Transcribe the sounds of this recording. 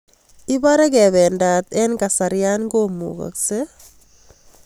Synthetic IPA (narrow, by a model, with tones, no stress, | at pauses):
i˦baɾɛ˦kɛ˨βɛ˨ndat̪ɛ˦nkasaɾja˦nɡomṵka̰˨kse